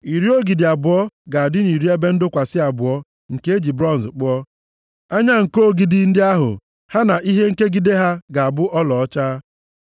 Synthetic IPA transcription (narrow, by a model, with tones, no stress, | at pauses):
i˨ɾi˦o˦ɡi˨dɪ˨a˨bʊ˨ɔ˦ɡa˨a˨dɪ˦ni˨ɾi˦e˦be˦n̩˦dʊ˦kʷa˨sɪ˦a˨bʊ˨ɔ˦ | ŋ̩˨ke˦e˦d͡ʒi˨bɾɔ˦n̩˨zk͡pʊ˦ɔ˦ | a˦ɲa˦ŋ̩˨ko˦˨ɡi˨dɪ˨n̩˦dɪ˦a˦ɦʊ̰˨ | ha˦na˨ʔi˦ɦe˦ŋ̩˦ke˦ɡi˨de˦ɦa˦ɡa˨a˨bʊ˦ʔɔ˦lɔ˨ɔ˦t͡ʃa˦